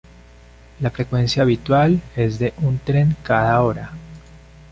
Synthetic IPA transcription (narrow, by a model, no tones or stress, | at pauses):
lafɾe̞kwe̞nsjaːβit̪wale̞zd̪e̞ʔunt̪ɾe̞ŋkaðao̞ɾa